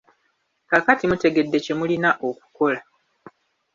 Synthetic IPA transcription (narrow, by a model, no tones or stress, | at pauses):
kakatimute̞ɡe̞dːe̞ce̞mulinaʔo̞ku̥ko̞la